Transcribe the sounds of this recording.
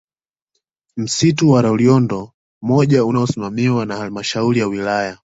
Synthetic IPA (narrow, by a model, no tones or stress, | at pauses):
m̩situwaɾauliɔndɔ | mɔʄaunaɔsimamiwanahalmaʃauɾijawilaja